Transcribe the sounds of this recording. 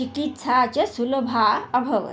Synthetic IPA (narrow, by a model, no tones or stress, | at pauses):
ikit̪saːt͡ʃɐsulbʱaɐbʱɐʋə̰